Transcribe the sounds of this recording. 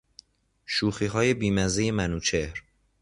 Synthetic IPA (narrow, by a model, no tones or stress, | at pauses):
ʃuːxiːɦɒːje̞biːmæzeje̞mænuːt͡ʃʰehɾ